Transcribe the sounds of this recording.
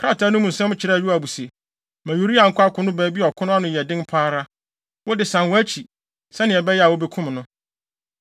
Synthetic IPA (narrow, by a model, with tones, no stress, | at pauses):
kʰɾa˦˨ta˨˦nʊ̃˦mũ˨n̩˨sɛ̃˦m˦t͡ɕʰɪ˦ɾɛ˦˨jᶣɪ˦a˨bu˨se˨ | mæ̃˨ju˨ɾi˦ã˨ŋ̩˨kʰʊ˦a˦kʰʊ̃˦nʊ̃˦bɛː˨˦bi˦ɔ˨kʰʊ˦nʊ̃˦a˦nʊ̃˨jɛ˨dɪ̃˦npʰaː˦ɾa˦ | wɔ˦dɪ˨sã˨nwɔ˦æ˦t͡ɕʰi˨ | sɛ˦nɪ̃˨ɛ˨bɛ˦jɛ˦a˨wɔ˦bɛ˦kʰʊ̃˦mnʊ̃˦